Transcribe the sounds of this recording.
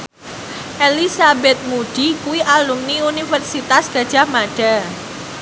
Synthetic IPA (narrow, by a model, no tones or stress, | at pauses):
ʔelisabɛt̪̚muɖ̥ikuwiʔalumniunifərsit̪asɡ̥a̤d̥ʒ̥a̤hmaɖ̥a